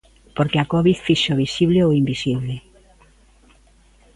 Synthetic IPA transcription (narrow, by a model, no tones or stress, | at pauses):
poɾkeakoβiðfiʃoβisiβleoimbisiβle